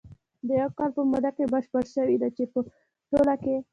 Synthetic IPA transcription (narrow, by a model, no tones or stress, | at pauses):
d̪əjawkɑlpəmʊd̪akebəʃpəɾʃəwid̪at͡ʃepə | ʈolake